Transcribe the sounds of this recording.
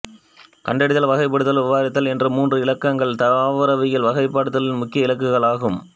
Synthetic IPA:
kɐɳɖɐɽɪðɐlʋɐɣɐɪp̬ːɐɽɯt̪ːɐlɪʋaːɾɪt̪ːɐlɛndrɯmuːndrɯɪlɐkːɐŋɡɐɭt̪ɐɾaːʋɐɾɐʋɪjɐlʋɐɣɐɪpːaːɽɯt̪ːɐlɪnmʊkːɪjɐɪlɐk̬ːɯɣɐɭaːɣɯm

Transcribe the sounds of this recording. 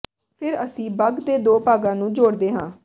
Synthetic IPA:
pʰɪɾəsĩːbəɡd̪eːd̪oːpaːɡãːnũːd͡ʒoːɽd̪eːɦãː

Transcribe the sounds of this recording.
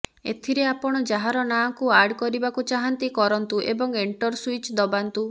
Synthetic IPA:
ḛt̪ʰiɾeapɔɽ̃ɔd͡ʒaɦaɾɔnakuaɾɖkɔɾibakut͡ʃaɦant̪ikɔɾɔnt̪uʔebɔŋeɳʈɔɾswit͡ʃd̪ɔbant̪u

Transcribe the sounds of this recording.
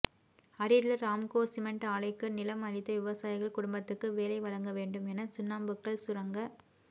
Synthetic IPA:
ɐɾɪlɯɾaːmkoːsɪmɐɳʈaːɭɐɪkːɯnɪlɐmɐɻɪt̪ːɐʋɪʋɐsaːjɪɣɐɭkʊɽʊmbɐt̪ːɯkːɯʋeːlɐɪʋɐɻɐŋɡɐʋeːɳɖɯmɛnɐsʊnːaːmbɯkːɐɭsʊɾɐŋɡɐ

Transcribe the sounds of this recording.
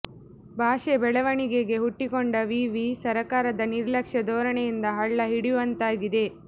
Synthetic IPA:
bʱaːʃebɛɭɐʋɐɳiɡe̞ɡe̞ɦuʈːikoɳɖɐʋiːʋisɐɾɐkaːɾɐd̪ɐniɾlɐkʂɐd̪ɔːɾɐɳejind̪ɐɦɐɭːɐɦiɽijʋɐnt̪aːɡid̪e̞

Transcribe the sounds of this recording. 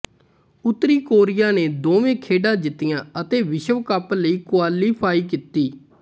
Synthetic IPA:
ʊt̪ːɾiːkoːɾɪjaːneːd̪oːʋẽːkʰeːɖãːd͡ʒɪt̪ːɪjãːət̪eːʋɪʃəʋkəpləiːkʊaːliːpʰaːiːkiːt̪ːiː

